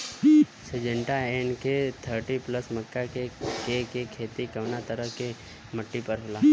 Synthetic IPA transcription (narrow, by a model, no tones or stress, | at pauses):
sed͡ʒə̃ɳʈaeːnket̪ʰəɾʈipləsməkːakekekekʰeːt̪ikəʋnat̪əɾəke | məʈːipəɾɦəlaː